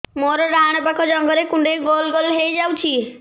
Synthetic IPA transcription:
moɾɾañbakʰod͡ʒɔŋɡɔɾekuɳɖeɡolɡolɦejd͡ʒawt͡ʃʰi

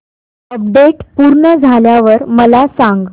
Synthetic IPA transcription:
əp̚ɖeʈpuɾɳəd͡zʱaljaʋəɾməlasãŋɡ

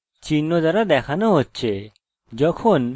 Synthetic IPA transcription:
t͡ʃiːnːõzəɾad̪ɛːkʰanəɦoːt̪t͡ʃʰeː | d͡ʒoːkʰoːn

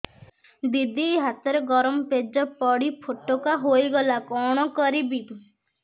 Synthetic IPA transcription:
d̪id̪iɦat̪ɔɾeɡɔɾɔmɔped͡ʒɔpɔɽipʰoʈːokaɦojɡɔlakɔɽ̃ɔkɔɾibi

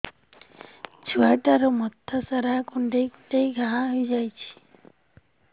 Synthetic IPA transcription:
t͡ʃʰuajʈaɾɔmɔt̪ʰːasaɾakuɳɖejkʈejɡʱãɦãɦojd͡ʒajt͡ʃʰi̥

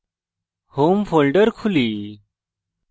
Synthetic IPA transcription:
homfolɖəɾkʰuliː

